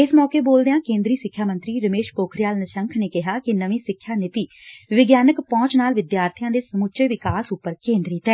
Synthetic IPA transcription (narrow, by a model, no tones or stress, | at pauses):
ɪsmɔːkeːboːld̪ejãːkẽːnd̪ɾiːsɪkʰːjaːmə̃nt̪ɾiːɾəmeːʃpoːkʰɾɪjaːlnəʃə̃ŋkʰneːkɪɦaːkɪnəʋĩːsɪkʰːjaːnɪt̪iːʋɪɡjaːnəkpɔ̃ːt͡ʃnaːlʋɪd̪jaːɾt̪ʰijãːd̪eːsəmʊt͡ʃeːʋɪkaːsʊpːəɾkẽːnd̪ɾiːt̪ɛː